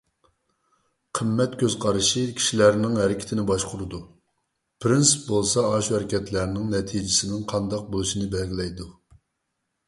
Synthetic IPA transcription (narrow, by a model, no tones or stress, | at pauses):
qʰəmːɛt̪̚kʲʰøz̥qʰɑɾɨʃikʲʰi̥ʃilæɾnɪŋɦɛɾɪkʲʰɪ̥t̪ʰɪnɪbɑʃqʰʊɾɨd̪u | pʰɾɪnspbolˠsɑːʃhɛɾɪkʲɛt̪ʰlæɾnɪŋnɛt̪ʰid͡ʒɪsɪnɪŋqʰɑnd̪ɑq̚bolˠuʃinɪbɛlɡʲilɛjd̪u